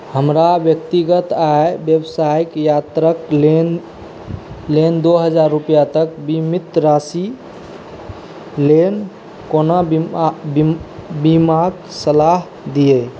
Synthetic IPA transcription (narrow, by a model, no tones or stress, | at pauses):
həmɾabjəkt̪iɡət̪aebjəbsaikjat̪ɾəklen | lend̪oɦəd͡ʒaɾːupijat̪əkbimit̪ɾasi | len | kona | bimaɡ | səlaɦ | d̪ije